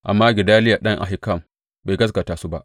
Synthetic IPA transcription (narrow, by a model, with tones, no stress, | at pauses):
ʔa˨mːaː˦ɡʲɪ˨daː˦lɪ˦ja˨ɗɐ˦ŋʔa̰˨ɦɪ˦kɐ˦˨m | ba˨jɡɐ˦sɡa˨taː˦su˦ba˦ʔ